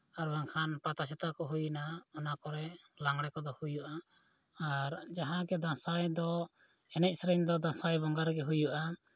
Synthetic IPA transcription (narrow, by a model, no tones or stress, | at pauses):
aɾbaŋkʰanpat̪asɛt̪akɔɦujnaɔnakɔɾɛlaŋɽɛkɔd̪ɔhujuʔaː | ɾd͡ʒaɦãɡɛd̪ãsajd̪ɔ | ɛnɛc̚ˀsɾɛɲd̪ɔd̪ãsajbɔŋɡaɾɡɛɦujuʔa